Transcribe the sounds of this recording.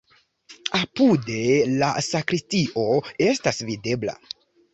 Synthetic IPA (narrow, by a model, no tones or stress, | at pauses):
apude̞la̰sakɾistiʔo̞e̞stasvide̞bla̰